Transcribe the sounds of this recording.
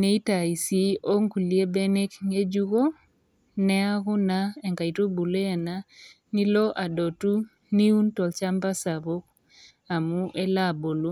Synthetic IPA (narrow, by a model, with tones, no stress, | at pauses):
ne˦i˦ta˨i˨si˦o˦ŋku˨li˦e˦be˦ne˦kŋe˦d͡ʒu˦ko˦ | nɛ˦a˦kʊ˦na˦ɛ˨ŋka˨i˨to˦bu˨le˦a˨na˦ | ni˦lɔ˦ʔa˨do˨tu˦ | ni˦u˦ntɔ˨lt͡ʃa˦mba˦sa˨bo˦k̚ | a˨mu˦ʔe˦la˦˨bo˨lu˦